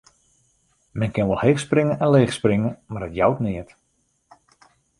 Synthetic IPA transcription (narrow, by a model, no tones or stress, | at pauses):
mɛnkɪnʋɔlˠhexsprɪŋənʔɛnleːχsprɪŋənmarətjawtnɪət